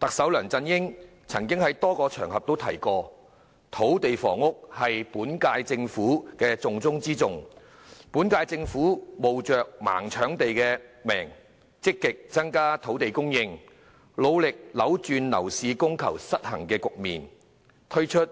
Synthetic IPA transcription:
t̪ɐ˨k̚sɐ˨˥wlœː˨˩ŋt͡sɐ˧njɪ˥ŋ | t͡sʰɐ˨˩ŋkɪ˥ŋhɐ˨˥jt̪ɔː˥kɔː˧t͡ʃʰœː˨˩ŋhɐ˨p̚t̪o˥wtʰɐ̰˨˩jkɔː˧ | t̪ʰo˨˥wt̪e˨jfɔː˨˩ŋʊ˥k̚hɐ˨jpuː˨˥nkaː˧jt͡sɪ˧ŋfuː˨˥kɛː˧t͡sʊ˨ŋt͡sʊ˥ŋt͡siː˥t͡sʊ˨ŋ | puː˨˥nkaː˧jt͡sɪ˧ŋfuː˨˥mo˨wt͡ʃœː˨k̚ma̰ː˨˩ŋt͡ʃʰœː˨˥ŋt̪e˨jkɛː˧mɛː˨˩ŋ | t͡sɪ˥kːɪ˨k̚t͡sɐ˥ŋkaː˥t̪ʰo˨˥wt̪e˨jkʊ˥ŋjɪ˧ŋ | lo˨˧wlɪ˨k̚lɐ˨˥wt͡ʃyː˨˧nlɐ̰˨˩wsiː˨˧kʊ˥ŋkʰɐ˨˩wsɐ˥t̚hɐ̰˨˩ŋkɛː˧kʊ˨k̚mḭː˨n | t̪ʰɵ˥ɥt͡ʃʰɵ˥t̚

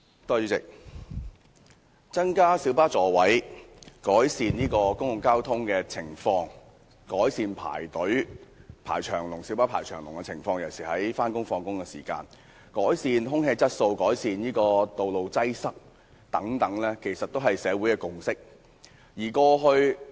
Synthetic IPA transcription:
t̪ɔː˥jyː˧˥t͡sɪ̰˨k̚ | t͡sɐ˥nkaː˥siː˨˥wpaː˥t͡sɔː˨˧wɐ˨˥jkɔː˨˥jsiː˨˧njiː˥kɔː˧kʊ˥ŋjʊ˨ŋkaː˥wt̪ʰʊ˥ŋkɛː˧t͡sʰɪ˨˩ŋfɔː˧ŋ | kɔː˨˥jsiː˨npʰa̰ː˨˩jt̪ɵ˨˥ɥpʰa̰ː˨˩jt͡ʃʰœː˨˩ŋlʊ˨˩ŋsi˨˥paː˥pʰaː˨˩t͡ʃʰœː˨˩ŋlʊ̰˨˩ŋkɛ˧t͡sʰɪ̰˨˩ŋfɔː˧ŋjɐ˨˩wsiː˨˩hɐ˨˥jfaː˥nkʊ˥ŋfɔː˧ŋkʊ˥ŋkɛ˧sḭː˨˩ka̰ː˧n | kɔː˨˥jsiː˨nɦʊ˥ŋɦeː˧t͡sɐ˥t̚so˧wkɔː˨˥jsiː˨njiː˥kɔː˧t̪o˨wlo˨wt͡sɐ˥jsɐ˥k̚ | t̪ɐ˨˥ŋt̪ɐ˨˥ŋlɛː˥kʰe˨˩jsɐ˨t̚t̪whɐ˨jsɛː˨˧wu˨˥jkɛː˧kʊ˨ŋsɪ˥k̚ | jiː˨˩kɔː˧ɦɵ˧ɥ

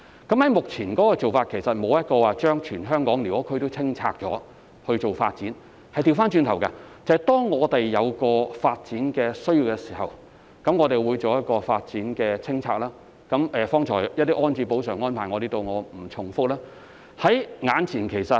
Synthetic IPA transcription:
kɐ˨˥mhɐ˨˥jmʊ˨k̚t͡sʰiː˨˩nkɔː˨˥kɔː˧t͡so˨wfaː˧t̚kʰe˨˩jsɐ˨t̚mo˨˧wjɐ˥t̚kɔː˧waː˨˩t͡ʃœː˥ŋt͡ʃʰyː˨˩nɦœː˥ŋkɔː˨˥ŋliː˨˩wɔː˨˥kʰɵ˧t̪o˥t͡sʰɪ˥ŋt͡sʰa̰ː˧k̚t͡sɔː˨˥ | hɵ˧t͡so˨wfa̰ː˧t̚t͡siː˨˥n | hɐ˨jt̪i˧wfaː˥nt͡ʃyː˧nt̪ʰɐ˨˩wkɐ̰˧t͡sɐ˨ɐ˨t̪ɔː˥ŋŋɔː˨˧t̪e˨jːɐ˨˧wkɔː˧faː˧t̚t͡siː˨˥nkɛː˧sɵ˥ɥjiː˧wkɛː˧si̥ː˨˩hɐ̰˨˩w | kɐ˨˥mŋɔː˨˧t̪e˨jwuː˨˧jt͡so˨wjɐ˥t̚kɔː˧faː˧t̚t͡siː˨˥nkɛː˧t͡sʰɪ˥ŋt͡sʰaː˧k̚laː˥ | kɐ˨˧˥mʔɛː˨fɔː˥ŋt͡ʃʰɔː˨˩jjɐ˥t̚t̪iː˥ʔɔː˥nt͡siː˧po˨˥wsœː˨˩ŋːɔː˥npʰaː˨˩ŋɔ˨˧ɾe˨˩t̪o˧wŋɔː˨˧m̩˨˩t͡sʰʊ˨˩ŋfʊ˥k̚laː˥ | hɐ˨˥jŋaː˨˧nt͡sʰiː˨˩nkʰe˨˩jsɐ˨

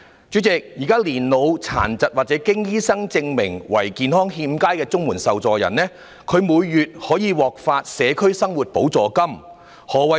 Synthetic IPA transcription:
t͡ʃy˨˥t͡sɪ˨k̚jiː˨˩kaː˥liː˨˩nlo˨˧wt͡sʰa̰ː˨˩nt͡sɐ˨t̚wa˨t̚t͡sɛː˨˥kɪ˥ŋjiː˥sɐ˥ŋt͡sɪ˧ŋmɪ˨˩ŋwɐ̰˨˩jkiː˨˧nhɔː˥ŋɦiː˧mkaː˥jkɛː˧t͡sʊ˥ŋmuː˨˩nsɐ˨wt͡sɔː˨jɐ̰˨˩nlɛː˥ | kʰɵ˨˧ɥmuː˨˧jːyː˨t̚hɔː˨˥jiː˨˧wɔː˨k̚faː˧t̚sɛː˨˧kʰɵ˥ɥsɐ˥ŋwuː˨˩t̚po˨˥wt͡sɔː˨˩kɐ˥m | hɔː˨wɐ˨

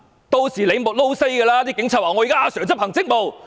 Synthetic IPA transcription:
t̪o˧wsiː˨˩le˨˧jmʊ˨t̚lo˥wse˥jkɛː˧laː˥t̪̬iː˥kɪ˨˥ŋt͡sʰːt̚aː˨ŋɔ˨˧ji˨kaː˥aː˧sœː˨˩ŋt͡sp̚hɐ˨˩ŋt͡sɪ˥k̚mo˨w

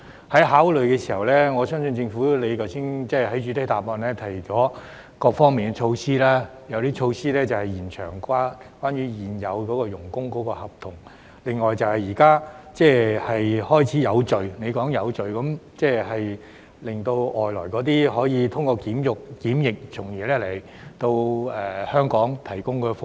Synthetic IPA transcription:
hɐ˨˥jɦaː˨˥wlɵ˨ɥkɛː˧siː˨˩hɐ̰˨wlɛː˥ŋɔː˨˧sœː˥ŋsɵ˧nt͡sɪ˧ŋfu˨˥le˨˧jkɐ˨˩wsiː˨˥nt͡sɛː˥˩ɦɐ˨˥jt͡ʃyː˨˥t̪ɐ˥t̪aː˨˩p̚mɔː˧nlɛː˥t̪ʰɐ˨˩jt͡sɔː˨˥ | kɔː˧k̚fɔː˥ŋmiː˨nŋɛ˧t͡ʃʰo˧wsiː˥laː˥ | jɐ˨˧wt̪iː˥t͡ʃʰo˧wsiː˥lɛː˥t͡sɐ˨whɐ˨jjiː˨˩nt͡ʃʰœ̰ː˨˩ŋkʷaː˥kwaː˥nɥyː˨˧jiː˨njɐ̰˨˧wkɔː˨˥kɔː˧jʊ˨˩ŋkʊ˥ŋkɔː˨˧˥kɔː˧hɐ˨˩p̚t̪ʰʊ˨˩ŋ | lɪ˨ŋːɔː˨jt͡sɐ˨˧whɐ˨˩jiː˨˩kaː˥t͡sɛː˥˩hɐ˨jhɔː˥jt͡sʰiː˨˥jɐ˨˧wt͡ʃɵ˨ɥne˨˧jkɔː˨˥ŋjɐ˨˧wt͡sɵ˨ɥkɐ˨˥mt͡sɛː˥˩hɐ˨j | lɪ˨˩ŋt̪o˧wɔː˨jlɔː˨˩jkɔː˨˧˥t̪̬iː˥ɦɔː˨˥jiː˨˧t̪ʰʊ˥ŋkɔː˧kiː˨˥mjʊ˨k̚kiː˨˥mjɪ˨k̚t͡sʰʊ˨˩ŋjɛː˨˩lɛː˥le˨˩j | t̪o˧wɛː˨hœː˥ŋkɔː˨˥ŋt̪ʰɐ˨˩jkʊ˥ŋkɔː˧fʊ˧

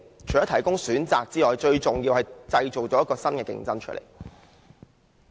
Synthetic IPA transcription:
t͡ʃʰjɔː˨˥t̪ʰɐ˨˩jkʊ˥ŋsyː˨˥nt͡sa̰ː˨k̚t͡siː˥ŋɔː˨˩jt͡ʃɵ˧ɥt͡sʊ˨ŋji˧whɐ˨jt͡sɐ˧jt͡so˨˩wt͡sɔː˨˦jkɔː˧sɐ˥nkɛː˧kɪ̰˧ŋt͡sɐ˥nt͡ʃʰɵ̰˥tlḛ˨˩j

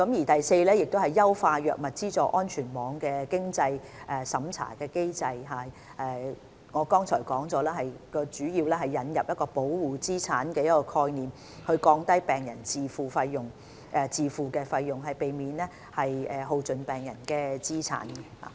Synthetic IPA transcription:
kɐ˨˥mjiː˨˩t̪ɐ˨jse˧jlɛː˥jɪ˨k̚t̪o˥hɐ˨jːɐ˥wfaː˧jœː˨k̚mɐ˨t̚t͡siː˥t͡sɔː˨˩ʔɔː˥nt͡ʃʰyː˨˩nmɔː˨˧ŋkɛː˧kɪ˥ŋt͡sɐ˧jʔɛː˨˩sɐ˨˥mt͡sʰa̰ː˨˩kɛː˧ke˥jt͡sɐ˧jɦaː˨˧ | ʔɛː˨˩ | ŋɔː˨˧kɔː˥ŋt͡sʰɔː˨˩jkɔː˨˥ŋt͡sɔː˨˥lɛː˥ɦɐ˨jkɔː˧t͡ʃyː˨˥jiː˧wlɛː˥ɦɐ˨jːɐ˨˥njɐ˨p̚jɐ˥t̚kɔː˧po˨˥wwuː˨˩t͡siː˥t͡sʰaː˨˥nkɛː˧jɐ˥t̚kɔː˧kʰɔː˧jniː˨˩m | hɵ˧ɥkɔː˧ŋt̪ɐ˥jpɛː˨ŋjɐ˨˩nt͡siː˨fuː˨fɐ˧jːʊ˨ŋ | ʔɛ˨˧t͡siː˨fuː˨kɛː˧fɐ˧jːʊ˨˩ŋɦɐ˨jpe˨jmiː˨˥nlɛː˥ | hɐ˨jɛː˨ɦo˧wt͡sɵ˨npɛː˨˩ŋjɐ˨˩nkɛː˧t͡siː˥t͡sʰa̰ː˨˥nɛ˧ha̰ː˨˩

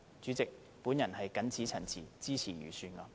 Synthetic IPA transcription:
t͡syː˨˥t͡sɪ˨k̚ | puː˨˥njɐ˨˩nɦɐ˨jkɐ˨˥nt͡sʰiː˨˥t͡sʰɐ˨˩nt͡sʰḭː˨˩t͡siː˥t͡sʰiː˨˩jy̰˨˩syː˧nkɐ˧

